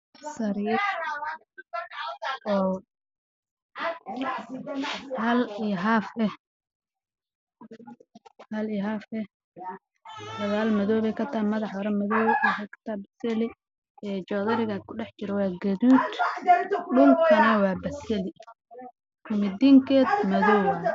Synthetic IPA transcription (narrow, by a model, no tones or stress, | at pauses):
sɐɾi | ʔɔː | hɐlijɦaːfɛh | hɐlijɦaːfɛ | d̪ɐɣaːlmɐðɔːβɛkʰɐt̪ʰamɐðɑħɔɾɐmɐðɔːħɛkʰɐ̥t̪ʰabɐsɛlɪ | ɛːt͡ʃɔːðɐɾɪɣɐkʰʊɖɛħt͡ʃɪɾɛwɑːɡɐðuːd̪ | ɖʊŋkʰɐnɐwɑːbɐsɛlɪ | kʰʊmɪd̪iŋkʰɛːd̪mɐðɔːwɐ